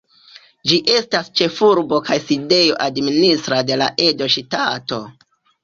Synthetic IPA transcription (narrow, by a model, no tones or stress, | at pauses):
d͡ʒiʔe̞stast͡ʃe̞fuɾbo̞kajside̞jo̞ʔadministɾade̞la̰ʔe̞do̞ʃitato̞̰